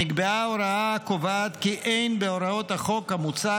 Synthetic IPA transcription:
iɡbeaoɾaakovaːt̪kiʔejnbeoɾaot̪haχo̞khamut͡sa

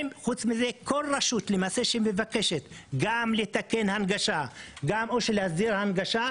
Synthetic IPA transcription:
mχut͡smize̞ko̞lʁaʃut̪lemase̞ʃeimevake̞ʃet̪ɡamlet̪ake̞nhanɡaʃaɡamoʃelehazd̪iʁhanɡaʃa

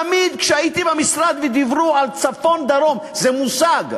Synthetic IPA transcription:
amid̪kʃeait̪ibamisɾad̪vɛd̪ivɾualt͡safo̞nd̪aɾo̞mzɛmusaɡ

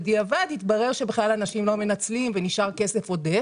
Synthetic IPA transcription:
d̪iavad̪it̪baʁe̞ʁʃe̞beχlalanaʃimlo̞me̞nat͡slimveniʃaʁke̞se̞fo̞d̪e̞

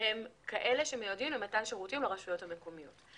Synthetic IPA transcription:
hemkaʔe̞le̞ʃemejodimematanʃeʁutimleʁaʃujo̞thameko̞mijo̞t

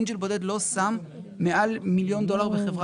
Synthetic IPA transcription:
nʃelbod̪e̞d̪lo̞samː | eʔalmiljo̞nd̪o̞laʁbeχevʁa

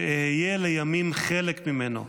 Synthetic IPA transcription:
hijelejamimχelekmimeno̰

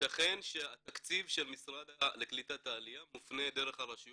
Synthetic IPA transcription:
taχe̞nʃeat̪akt͡sivʃe̞lmisʁad̪aleklit̪at̪aːlijamufne̞d̪e̞ʁeχaʁaʃuj

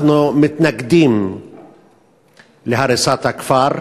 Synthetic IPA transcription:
numɪt̪nɛɡd̪iːm | lɪħɐɾɪsɐːt̪ɐkfɐːɾ

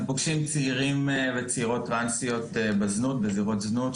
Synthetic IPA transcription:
poɡʃimt͡siiʁimvet͡seiʁo̞tːʁansijo̞t̪ebeznut̪beziʁo̞t̪znut̪

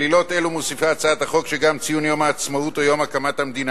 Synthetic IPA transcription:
lilo̞t̪elumosifat͡saat̪haχo̞kʃeɡamt͡sijunjo̞maːt͡smaut̪ojo̞makamathamd̪ina

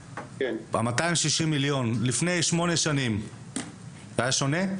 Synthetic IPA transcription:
kena̰mat̪aimʃiʃimːiljo̞nlifnejʃmo̞ne̞ʃanim | tajaʃone

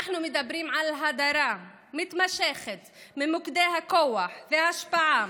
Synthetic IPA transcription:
aħnumɪd̪abɾiːmʕalɦad̪aɾa | mɪt̪maʃeχet̪mimukd̪eɦakowaħvehaaʃpaʕa

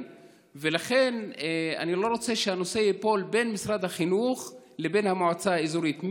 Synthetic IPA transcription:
velaχe̞nea̰nilo̞ʁo̞t͡se̞ʃehano̞sejepo̞lbe̞nmisʁad̪haχinuχ | le̞be̞nhamoʕat͡saaizuɾit̪m

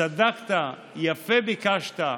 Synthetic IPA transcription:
ad̪akt̪a | jafebikaʃt̪a

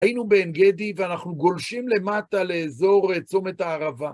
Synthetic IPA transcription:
ajinube̞ːnɡed̪iveanaχnuɡo̞lʃimle̞mat̪ale̞ːzo̞ʁet͡some̞t̪aːʁava

